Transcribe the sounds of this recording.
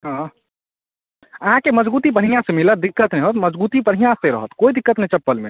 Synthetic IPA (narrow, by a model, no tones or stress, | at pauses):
ɦã | əɦãkeməd͡ʒbuːt̪ip̬əɽ̤ijãsemilət̪̚d̪ɪkːət̪nɛɦot̪məd͡ʒbuːt̪ipəɾ̤ɦijãseɾə̰ɦət̪koid̪ɪkːət̪nɛit͡ʃəpːəlme